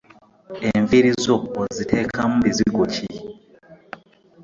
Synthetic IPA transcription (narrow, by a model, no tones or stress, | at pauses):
eɱviɾizoozitʰeːkʰamuβiziɡoci